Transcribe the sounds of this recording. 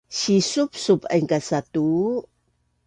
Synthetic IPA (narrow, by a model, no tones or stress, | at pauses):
ɕisup̚supa̰jŋkasatu